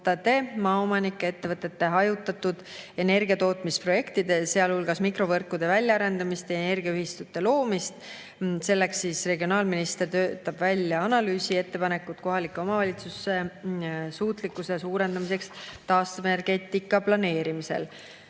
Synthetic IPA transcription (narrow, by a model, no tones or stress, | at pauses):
t̪ɑt̪eːmɑːomɑnikːee̞t̪ːe̞vɤt̪ːˑe̞t̪ːe̞ɦɑjut̪ːˑɑt̪ːud̪̥e̞ne̞rɡ̥iɑt̪o̞ːt̪ˑmispro̞je̞kt̪id̪ese̞ɑlhulɡɑsmikro̞vɤrkːˑud̪̥e̞vælʲjɑɑɾe̞nd̪ɑmist̪jɑene̞rɡ̥iɑyɦist̪ut̪ːˑe̞lo̞ːmist̪ | se̞lːeksːiːsre̞ɡio̞nɑːlminist̪e̞rt̪ø̞ːt̪ːˑɑb̥vælʲjɑɑnɑlyːsie̞t̪ːe̞pɑne̞kːˑut̪̚ko̞ɦɑlikːˑeo̞mɑvɑlʲit̪susːe̞ | suːt̪likːˑusesuːɾe̞nd̪ɑmise̞kst̪ɑːst̪uvene̞rɡ̥et̪ːikːˑɑplɑne̞ːɾimise̞̰l